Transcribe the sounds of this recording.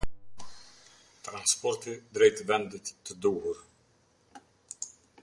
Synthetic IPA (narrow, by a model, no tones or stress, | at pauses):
t̪ɾanspɔɾt̪id̪ɾejt̪vɛnd̪əct̪əd̪uːɦuɾ